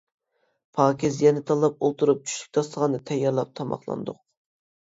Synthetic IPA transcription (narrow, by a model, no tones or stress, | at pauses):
pʰɑːkʲʰizjɛnɪt̪ʰɑlˠɑpolˠt̪ʰuɾup̚t͡ʃʰy̥ʃy̥k̚ʲt̪ʰɑslˠəʁɑnɨt̪ʰɛjːɑɾlˠɑp̚t̪ʰɑmɑ̰χlˠɑ̰nd̪ʊq̚